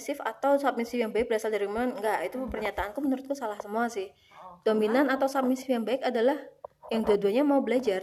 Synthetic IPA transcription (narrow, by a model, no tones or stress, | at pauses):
sɪfa̰t̪awsap̚misɪfjaŋbaɪk̚bəɾasaldaɾimanŋɡaʔit̪upərɲat̪aʔankumənuɾʊt̪̚kusalahsəmuasɪh | d̥ominanat̪awsap̚misɪfjaŋbaɪkadalahjaŋduaduaɲamaubəlad͡ʒar